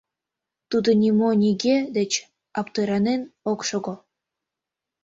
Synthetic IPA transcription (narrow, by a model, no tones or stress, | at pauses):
t̪ud̪ŏnʲimonʲiɡed̪et͡ɕ | ɑpt̪ɤɾɑnenokʃoɡo